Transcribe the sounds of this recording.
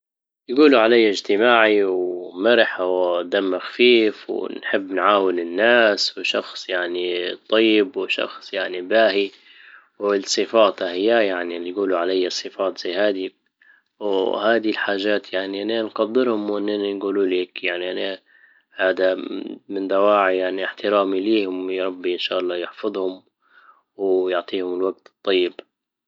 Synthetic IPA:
jɡuːluʕalajːaɪd͡ʒt̪ɪmaːʕiwmɪɾħawd̪amːaxafiːfw̰nħɪbːnʕaːwɪlɪnːaːswʃɑxsˤjaʕnit̪ˤːɑjːɪbwɪʃɑ̰xsˤjaʕnibaːhi | wɪsˤɨfɑːt̪ˤɑhɪjːajaʕnijɡuːluʕalajːasˤːɨfɑːt̪ˤz̥ajːhaːd̪i | whaːd̪ilħaːʒaːt̪jaʕniʔananqɑd̪ːɪɾhʊmwʔɪnːɪnanɡuːluːleːkjaʕniʔana | haːd̪amɪnd̪awaːʕijaʕniɪħt̪ɪɾaːmiliːhʊmjɾˤɑbːiʔɪnʃaːʔɑlˤːɑːjɪħfɑðˤhʊm | wjʊʕt̪ˤiːhʊmɪlwaɡ̚t̪t̪ˤːɑjːɪb

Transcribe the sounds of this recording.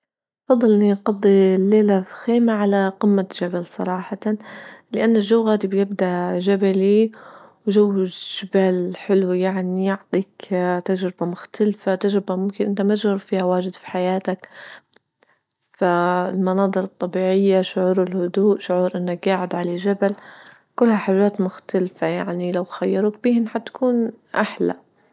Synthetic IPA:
ʔɑfɑd̪ˤːɨlʔɪniqɑd̪ˤːilːeːlafxeːmaʕalaqɪmːaʒabalsˤɑ̰ɾˤɑːħɑ | lɪʔanːaʒawɣaːd̪ibjɪbd̪aʔʒabaliwʒawːɪʒ̥ɪbaːlħɪlwijaʕnijʊʕt̪ˤiːkt̪ad͡ʒɾɪbamʊxt̪ʰalfat̪aʒɾɪbamʊmkɪnʔɪnt̪amat̪ɪʒd͡ʒɣʊɾfiːhawaːʒɪd̪fi̥ħajaːt̪ak | faɪlmɑnɑːd̪ˤɨɾɨt̪ˤːɑbiːʕɪjːaʃʊʕuːɾɪlhʊd̪uːʔʃʊʕuːɾʔɪnːak̚ɡaːʕɪd̪ʕalaʒabal | kʊlːhaħaːʒːaːt̪mʊxt̪alfajaʕnilawxajːɑɾˤuːk̚biːhɪnħat̪ːḁkʰuːn | ʔaħla̰

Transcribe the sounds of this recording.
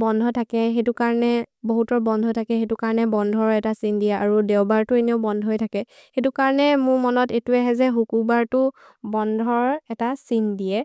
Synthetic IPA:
bɔndʱɔtʰakɛxetukaɹɔnɛboɦutɔɹbɔndʱɔtʰakɛxetʊkaɹɔnɛbɔndʱɔɹɛtasindiɛaɹudewbaɹtʊenioʊbɔndʱɔɦjtʰakɛ | xetukaɹɔnɛmʊɹmɔnɔtetuɛɦɛzɛɦukubaɹtʊ | bɔndʱɔɹɛtasindijɛ

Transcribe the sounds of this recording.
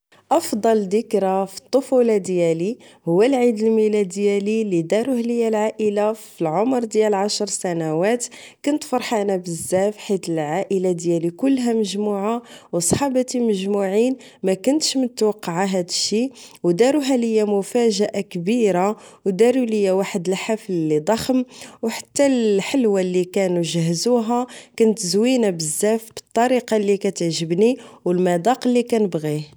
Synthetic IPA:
ʔɑfd̪ˤɑld̪əkɾafi̥t̪ˤːofulɑd̪jæli | hʊwːælʕid̪əlmilæd̪jælilid̪ɑɾuhləjːælʕaʔəlafilʕomɾˤd̪jælʕaʃɾˤsænæwæt̪ | kʊnt̪fɑɾˤħanabəzːæfħit̪əlʕaʔəlad̪jælikʊlːɦæməʒmuʕawsˤħɑbt̪iməʒmuʕin | mækʊnt̪ʃmənət̪wɑqːɑʕaɦæd̪əʃːiwd̪ɑɾuɦæləjːæmʊfæʒəʔakbiɾawd̪ɑɾuləjːæwaħəd̪əlħafllid̪ˤɑxəmwħḁt̪ːælħəlwalːikænuʒəhːzuɦækænt̪zwinabəzːæfbət̪ˤːɑɾiqɑlːikæt̪əʕʒəbniwəlmæd̪ˤɑqəlːikænəbɣi

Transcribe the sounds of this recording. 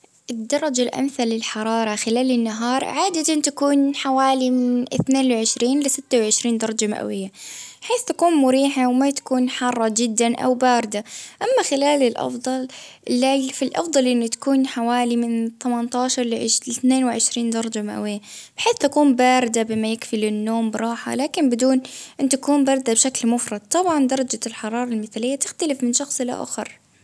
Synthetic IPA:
ʔɪd̪ːɑɾˤɑd͡ʒalʔa̰mθalɪlħɑɾˤɑːɾˤɑxɪlaːlɪnːaɦɑːɾˤʕaːd̪at̪ant̪akuːnħawaːlimɪnɪ̰θneːnwɪʕɪʃɾiːnlɪsɪt̪ːawʕɪʃɾiːnd̪ɑɾˤɑd͡ʒama̰ʔwɪjːabħeːθt̪akuːnmʊɾiːħawmat̪ḁkuːnħɑrˤːɑd͡ʒɪd̪ːanʔa̰wbaːɾɪd̪aʔamːaxɪlaːlɪlʔɑ̰fd̪ˤɑlʔɪlːafilʔɑ̰fd̪ˤɑlʔɪnːʊt̪ḁkuːnħawaːlimɪnt̪amant̪ɑːʃɑɾˤlɪlɪθneːnwɪʕɪʃɾiːnd̪ɑɾˤɑd͡ʒama̰ʔwɪjːab̥ħeːθt̪akuːmbaːɾɪd̪abɪmajɪkfilɪnːoːmbɾˤɑːħa̰laːkɪnbɪd̪uːnʔɪnːt̪akuːmbɑːɾˤd̪abʃaklmʊfɾˤɑd̪̚t̪ˤːɑbʕɑnd̪ɑɾˤɑd͡ʒalħɑɾˤɑːɾˤɑlmɪθalɪjːat̪ɪxt̪alɪfmɪnʃɑxsˤɪla̰ʔa̰xɑ̰ɾˤ

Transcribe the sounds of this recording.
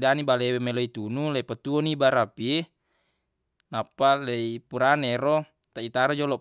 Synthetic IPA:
danibalewemeloit̪unulepat̪uonibaɾapie | napːaleipuɾaneɾo | t̪ait̪aɾod͡ʒolɔ

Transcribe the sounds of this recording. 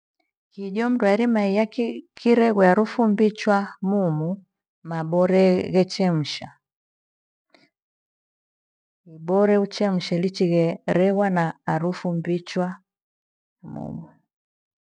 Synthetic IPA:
kiɟɔm̩dwɛɾimaijakkʰiɾɛɣwɛaɾufumbit͡ʃwamumu | mabɔɾɛɣɛt͡ʃɛm̩ʃa | ibɔɾɛut͡ʃɛm̩ʃɛlit͡ʃiɣɛɾɛɣwanaːɾufumbit͡ʃwa | mṵmu

